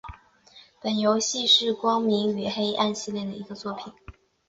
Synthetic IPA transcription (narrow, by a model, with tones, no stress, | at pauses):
pə˨˩njo˧˥ʊɕi˥˧ʂɻ̩˥˩kwɑ˥ŋmi˧˥ŋy˨˩xe˥ɪʔa˥˧nɕi˥˧ljɛ˥˩d̪ə˩i˧˥ɡə˧t͡swɔ˥˩pʰi˨˩˦n